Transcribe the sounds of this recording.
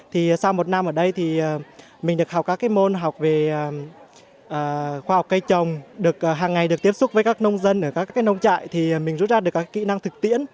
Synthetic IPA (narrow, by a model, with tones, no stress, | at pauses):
t̪ʰi˨˩˨sa˧wmo˨˩t̚na˧mʔəː˧˩ɗə˧jt̪ʰi˨˩əː˨˩ | mï̟˨˩ɗɨ˨˩ək̚ha˨˩k͡pkaː˦˥kːaː˨˦jmo˧nɦa˨˩wk͡p̚ve˨˩ə˨˩ | ʔəː˨˩xwaː˧ha˨˩wk͡p̚kə˧jt͡ɕə˨˩wŋ͡mɗɨ˨˩ək̚ʔəː˨˩ɦaː˨˩ŋːa˨˩jɗɨ˨˩ək̚t̪i˦˥əsʊ˦˥k͡p̚vəː˨˦kaː˦˥k̚nə˧wŋ͡mzə˧nʔəː˧˩kaː˦˥kːaː˨˦jnə˧wŋ͡mt͡ɕa̰ː˧˨jt̪ʰi˨˩˨mï˨˩ŋzṵ˧˥t̚zaː˧ɗɨ˨˩əkaː˦˥kːa˦kḭ˧˥˨na˧ŋt̪ʰɨ˨˩k̚t̪ḭ˧˥ən